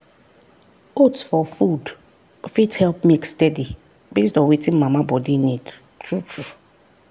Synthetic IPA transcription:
otsfɔfud | fidhɛlp̚mekstɛdi | besdɔ̃wetʰĩnmamabɔdinid | t͡ʃut͡ʃu

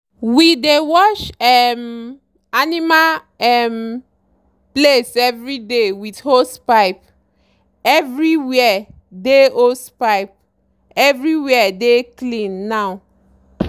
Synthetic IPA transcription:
widewɔt͡ʃɛm | anima | ɛm | plesɛvɹidewithospaɪp̚ | ɛvɹiwiɛ | deospaɪp̚ | ɛvɹiwiɛdeklĩnːaʊ

